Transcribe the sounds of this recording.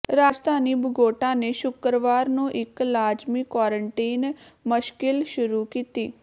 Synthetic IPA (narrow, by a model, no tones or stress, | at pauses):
ɾaːd͡ʒd̪ʱaːniːbʱəɡoːʈãːneːʃʊkɾʋaːɾnũːʔɪklaːd͡ʒmikaːɾəɳʈiːnmʊʃkɪlʃʊɾuːkiːt̪iː